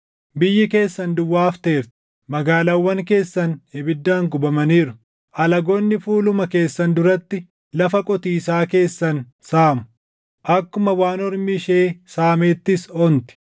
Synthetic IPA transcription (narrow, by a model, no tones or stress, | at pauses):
bɪjːɪke̞ːsːɐnd̪ʊwːaːft̪eːɾt̪ɪ̥ | mɐɡaːlɐwːɐŋke̞ːsːɐnhɛbɪd̪ːaːŋɡʊbɐmɐniːɾʊ | ʔɐlɐɡonːɪfuːlʊmɐke̞ːsːɐnd̪ʊɾɐt̪ːɪ | lɐfɐkʼɔt̪iːsaːke̞ːsːɐn | saːmʊ̥ | ʔɐkːʊmɐwaːnɔɾmiʃe̞ːsaːmeːt̪ːɪsɔnt̪ɪ̥